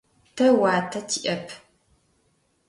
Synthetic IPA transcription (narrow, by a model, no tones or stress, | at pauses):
tʰɐwaːtʰɐtʰiʔɐpʰ